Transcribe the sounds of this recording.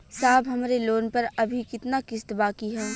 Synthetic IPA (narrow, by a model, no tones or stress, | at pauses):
saːbɦɐmːɾeloːnpɐɾɐbʱikɪt̪nakɪst̪baːkiɦɛ